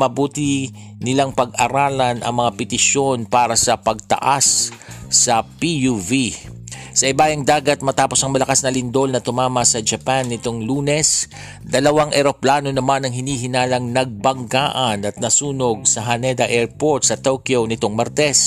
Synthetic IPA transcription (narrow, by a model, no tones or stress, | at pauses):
mɐbuːt̪ɪ | nɪlaŋpɐɡ̚ɐɾaːlɐnɐ̰ŋmɐŋapɪt̪ɪʃo̞npaːɾɐsɐpɐɡ̚t̪ɐ̰ʔasː | ɐpijuvi | sɐʔɪbaːjɐŋd̪aːɡɐt̪̚mɐt̪aːposɐŋmɐlɐkasnɐlɪnd̪o̞lnɐt̪ʊmaːmɐsɐd͡ʒɐpanːɪt̪o̞ŋluːnɛs | d̪ɐlɐwaŋʔɛɾo̞plaːno̞nɐmanɐŋɦɪniːɦɪnaːlɐŋnɐɡ̚bɐŋkaːʔɐnɐt̪̚nɐsuːno̞ɡ̚sɐɦɐnɛd̪ɐʔɛɹpo̞ɹt̪sɐt̪okjonɪt̪oŋmɐɾt̪ɛs